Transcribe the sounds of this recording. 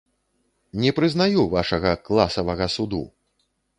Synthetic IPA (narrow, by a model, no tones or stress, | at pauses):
nʲɛpɾɨznajuvaʂɐɣɐklˠasɐvɐɣɐsud̪ṵ